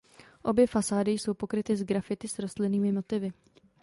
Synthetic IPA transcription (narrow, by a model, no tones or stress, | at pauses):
ʔo̞bjɛfasaːdɪjso̞wpo̞kɾɪt̪ɪzɡɾafɪt̪ɪsɾo̞st̪lɪniːmɪmo̞t̪ɪvɪ